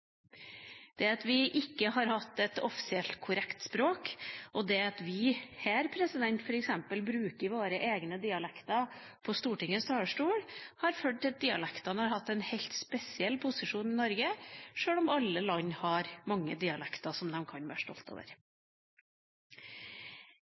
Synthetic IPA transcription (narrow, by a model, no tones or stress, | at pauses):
d̪̥ɛɑt̪ʋɪʔɪkːəhɑɾhɑt̪ːɛt̪ɔfɪ̥sɪɛlt̪kʰʊɾɛkt̪spɾoːkʔɔd̪ɛɑt̪ʋɪhæːɾpʰɾɛsɪd̪ɛnt̪fɔɾɛksɛmpəlbɾʉːkəʋoːɾəʔeːɡnəd̪ɪɑlɛkt̪ɑ | pʰɔst̪uːʈɪŋəst̪ʰɑːʂʈuːɽhɑɾføːʈ̪̚ːɑt̪̚d̪ɪɑlɛkt̪ɑnəhɑɾhɑt̪ːɛnhɛɪlt̪spɛsɪɛlːpʰʊsɪʂuːnɪnɔɾɡəʂøːɽɔmɑlːəlɑɲːhɑɾmɑŋːə̰d̪ɪɑlɛkt̪ɑsɔmd̪ɛmkʰɑnbæːʂʈɔ̰lt̪o̰ːʋə̰ɾ